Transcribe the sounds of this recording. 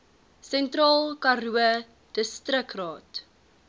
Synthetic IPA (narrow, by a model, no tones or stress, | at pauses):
sɛntrɑːlˠkɐruə | d̥əstrəkrɑːt